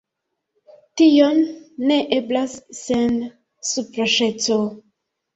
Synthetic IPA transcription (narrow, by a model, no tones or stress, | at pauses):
tijonːeʔeblasːen | supɾaʃet͡so